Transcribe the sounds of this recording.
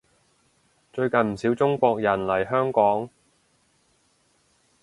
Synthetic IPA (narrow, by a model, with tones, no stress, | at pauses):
t͡ʃɵ˧ɥkɐ˨nm̩˨˩siː˨˥wt͡sʊ˥ŋkʷɔː˧k̚jɐ˨˩nlɐ˨˩jɦœː˥ŋkɔː˨˥ŋ